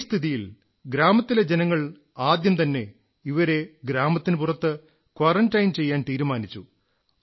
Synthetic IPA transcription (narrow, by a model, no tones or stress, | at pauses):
st̪ʰiðijil | ɡɾaːmɐt̪ːiled͡ʑenɐŋːɐɭ | aːd̪jɐmt̪ɐnːe̞ | iʋɐɾe̞ɡɾaːmɐt̪ːinɨpurɐt̪ːɨ | kwɐrɐntːɐjmt͡ɕe̞jːaːnt̪iːɾumaːnit͡ɕːu